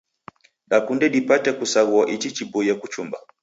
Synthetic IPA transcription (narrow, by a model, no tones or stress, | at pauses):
ɗakundɛɗipatɛkusaɣuaʔit͡ʃit͡ʃibɔjakut͡ʃumba